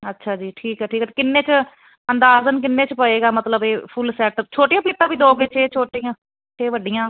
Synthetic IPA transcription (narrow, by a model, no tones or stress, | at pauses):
ətːʃʰaːd͡ʒiːʈʰiːkɛːʈʰiːkːt̪eːkɪnːẽːt͡ʃə | ənd̪aːzənk̬ɪnːeːt͡ʃpəeːɡaːmət̪ləbeːpʰʊlsɛːʈt͡ʃʰoːʈɪijãːpiːt̪ːãːbiːd̪oːɡeːt͡ʃʰeːt͡ʃʰoːʈijãː | t͡ʃʰeːʋəɖijãː